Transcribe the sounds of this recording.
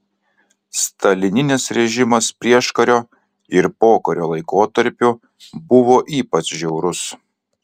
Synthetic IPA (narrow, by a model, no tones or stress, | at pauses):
st̪ɐlʲɪnʲɪnʲɪsɾʲɛʒʲɪmɐspʲɾʲiɛʃkɐɾʲoː | ɪɾpoːkɐɾʲoːlˠɐɪkoːt̪ɐɾʲpʲʊ | bʊʋoːʔiːpɐt͡ʃʒʲɛʊɾʊs